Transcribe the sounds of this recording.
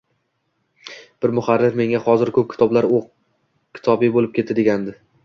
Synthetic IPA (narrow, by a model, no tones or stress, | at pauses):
b̥ɪɾmʊχaɾːɪɾme̞ŋʲahɒzɪɾkʰɵp̚kʲɪ̥t̪ʰɒblaɾoq̚ | kʲʰɪ̥t̪ʰɒbɪbolɪp̚kʲʰe̞t̪ɪd̪eɡʲand̪ɪ